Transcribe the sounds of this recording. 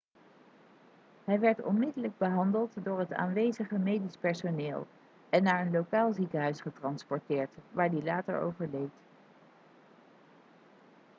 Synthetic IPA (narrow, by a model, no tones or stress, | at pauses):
ɦɛjʋɛɹtɔ̰nmɪdələɡ̚bəɦɑndəlˠtdʊːɹɦəta̰ːnʋejzəχəmejdispɛɹsoneːlˠ | ɛnːaːɹənlowkaːlˠzikəɦœɥsχətrɑnspɔɹtɪːɹtʋaːɹdilaːtə̰ɹo̰wvəɹlejt